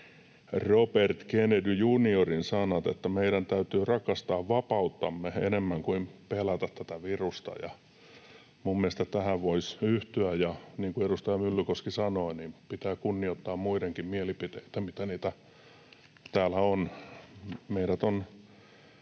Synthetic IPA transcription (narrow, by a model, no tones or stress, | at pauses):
ropert̪kenedyjuniorinsɑnɑt̪ḛt̪ːæmeiɾænt̪æyt̪yːrɑkɑst̪ɑːʋʋɑpɑut̪ːɑmːeḛnemːæŋkuimpelæt̪ɑt̪t̪æt̪æʋirust̪ɑ̰jɑ̰ | mummieest̪æt̪æhæʋʋoisyht̪yæjɑniːŋkueɾust̪ɑjɑmylːykoskisɑnoinimpit̪æːkunːiot̪ːɑːmmuideŋkimmielipit̪eit̪æmit̪æniːt̪æ | t̪æːlæon | meiɾæt̪on